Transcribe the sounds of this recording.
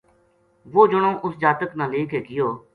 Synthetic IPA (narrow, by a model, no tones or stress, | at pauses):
ʋoːd͡ʒʊɳõːʔʊsd͡ʒaːt̪əknãːleːkeːkɪjoː